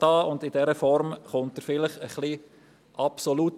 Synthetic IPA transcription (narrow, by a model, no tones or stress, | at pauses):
ɑːʊndɪdɛɾəfɔɾmχʊnt̚əɾfɪləχəχli | ʔɑpsolut